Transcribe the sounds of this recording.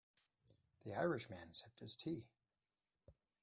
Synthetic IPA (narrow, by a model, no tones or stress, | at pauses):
ðiaɪɹɨʃmæ̃nsɪp̚tʰɨz̥tʰi